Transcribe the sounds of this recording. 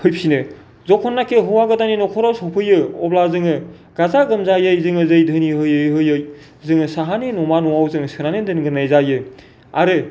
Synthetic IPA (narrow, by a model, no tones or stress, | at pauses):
hɯjpsinɯ | zɔkʰɔnːakʰeɦɯwaɡɯdaninɔkʰɔɾɔsɔpʰɯjɯɔblazɯŋɯ | ɡazaɡɯmzajɯjzɯŋɯzɯjdʱɯniɦɯjɯjɦɯjɯj | zɯŋɯsaɦaninɔmanɔwawzɯŋsɯɾanedɯnɡɯnajzajɯ | a̰ɾɯ